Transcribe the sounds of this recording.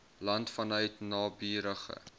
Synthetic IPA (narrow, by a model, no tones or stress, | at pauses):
lɐntfɐnœɥtnɑːbiːɾəχə̰